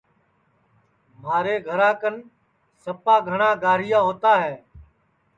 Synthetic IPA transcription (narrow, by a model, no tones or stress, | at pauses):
maːɾeːɡʱəɾãːkən | səpãːɡʱəɳãːɡaːɾɪjãːɦoːt̪aːɦɛː